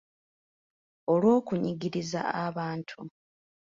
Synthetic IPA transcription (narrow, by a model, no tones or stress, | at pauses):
olwo̞ːkuɲiɡiɾiza̰aβaːntʰu